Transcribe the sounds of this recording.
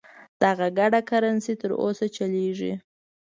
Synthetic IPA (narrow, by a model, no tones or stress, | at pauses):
d̪̥aɣaɡaɖakaɾansit̪əɾo̰sat͡ʃaleʐḭ